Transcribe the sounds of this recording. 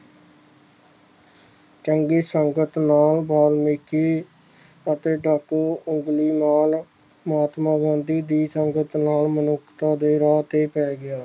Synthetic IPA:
t͡ʃəŋɡiːsəŋɡət̪naːlbaːlmɪkʰiː | ət̪eːɖəkːʊŋɡliːnaːl | məaːt̪mãːbənd̪iːd̪iːsəŋɡət̪naːlmənʊkʰt̪aːd̪eːɾaːt̪eːpɛːɡɪaː

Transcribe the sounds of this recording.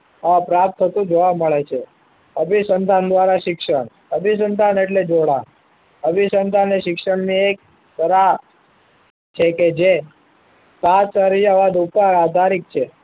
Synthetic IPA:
əãpɾap̚t̪ʰːət̪ũd͡ʒoʋaməɭet͡ʃʰe | əbʱisənd̪ʱand̪ʋaɾaʃɪkʃəɳ | əbʱis̬ənd̪ʱaneʈled͡ʒoɽa̰ | əbʱisənd̪ʱaneʃɪkʃəɳniek̚ | səɾa | t͡ʃʰeked͡ʒe | sat͡ʃəɾijaʋad̪upəɾad̪ʱaɾik̚t͡ʃʰe

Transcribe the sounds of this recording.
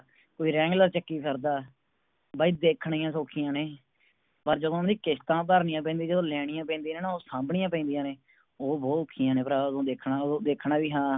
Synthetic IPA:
koːiːɾɛ̃ːŋɡləɾt͡ʃəkːiːpʰəɾd̪aː | baːiːd̪eːkʰɳiːãːsoːkʰɪjãːneː | pəɾd͡ʒəd̪õːd̪iːkɪst̪ãːpəɾnɪjãːp̬ɛ̃ːnd̪iːd͡ʒəd̪õːlɛːɽ̃ɪjãːpɛ̃ːnd̪iːnẽːnaːoːsãːmbɳɪjãːpɛ̃ːnd̪ijãːneː | oːbɔːt̪oːkʰːijãːnẽːpɾaːd̪õːd̪eːkʰnãːd̪eːkʰɳaːʋiːɦãː

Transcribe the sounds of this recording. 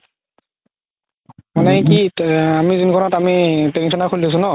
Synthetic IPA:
manɛkiamizinkʰɔnɔtamitensɔnakʰulis̬unɔ

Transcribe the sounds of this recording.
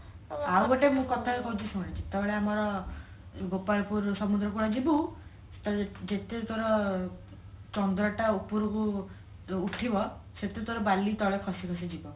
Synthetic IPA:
awbɔʈemũkɔt̪ʰakekɔɦũt͡ʃʰisuaɽĩt͡ʃet̪ebeɭeamɔɾɔ | ɡopaɭɔpuɾsɔmud̪ɾɔk̬uɽad͡ʒibu | t̪d͡ʒet̪et̪oɾɔ | t͡ʃɔnd̪ɾɔʈaupuɾɔkuː | ʈʰibɔset̪et̪oɾɔbalit̪ɔɭekʰɔsikʰɔsid͡ʒibɔ

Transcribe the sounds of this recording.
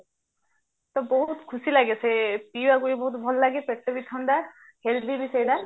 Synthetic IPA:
t̪ɔbɔɦut̪kʰusilaɡesʰepiwakuibɔɦut̪bʱɔlːaɡepeʈːɔbit̪ʰːɔnd̪a | held̪ibisajd̪a

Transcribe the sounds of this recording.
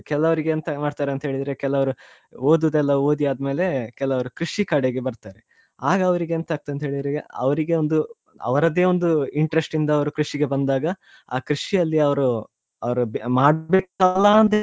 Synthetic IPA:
kɛlːɐʋɐɾiɡeːnt̪ɐmaːɖt̪aːɾeɐnt̪ɐɦeɭid̪ɾekɛlːɐʋɐɾu | oːd̪ud̪ɛlːɐoːd̪iaːd̪me̞ːle̞kɛlːɐʋɐɾukɾiʂikaːɽeɡebɐɾt̪aːɾe | aːɡɐːʋɐɾiɡeːnt̪aːɡ̚t̪uɐnt̪ɐɦeːɭid̪ɾeɐ̰ʋɐɾiɡe̞ond̪u | ɐ̰ʋɐɾɐd̪e̞ːond̪uiɳʈɾesʈind̪ɐːʋɐɾukɾiʂiɡe̞bɐnd̪aːɡɐ | a̰ːkɾiʂiɐlːiɐʋɐɾu | ɐʋɐɾubmaːɽbeːkɐlːand̪e

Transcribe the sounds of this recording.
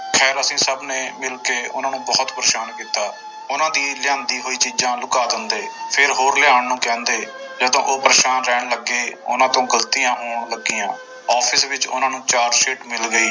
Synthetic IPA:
kʰɛːɾəsĩːsəbneːmɪlkeːʊ̰nãːnũːbɔːt̪pɾəʃaːnkiːt̪aː | ʊnãːd̪iːlɪjãːnd̪iːɦoːiːt͡ʃiːd͡ʒãːlʊkaːd̪ɪnd̪eːpʰɪɾɦoːɾlɪaːɳnũːkɛ̃ːnd̪eː | d͡ʒəd̪õ̰ːʔoːpɾəʃaːnɾɛːɳləɡeːʊ̰nãːt̪õːɡəlt̪iːjãːɦoːɳləɡːijãː | ɔːpʰɪsʋɪt͡ʃʊ̰nãːnũːt͡ʃaːɾʃeːʈmɪlɡəiː

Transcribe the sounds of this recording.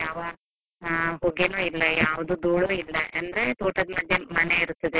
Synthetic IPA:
jaːʋɐ | ɦuɡenuːilːɐjaːʋd̪ud̪uːɭuːilːɐʔɐnd̪ɐɾet̪uːʈɐd̪mɐd̪ʱjɐmɐne̞iɾut̪ːɐd̪e

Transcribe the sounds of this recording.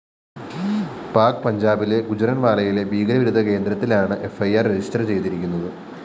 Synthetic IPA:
paːrkɨpɐɲd͡ʑaːbile̞ɡud͡ʑɐɾɐnʋaːɭɐjile̞biːɡɐlɐʋiɾud̪ʱɐke̞ːnd̪ɾɐt̪ːilaːɳɨʔe̞fɐjaːrːed͡ʑistɐrt͡ɕe̞jt̪iɾikʲːun̪ːɐðɨ

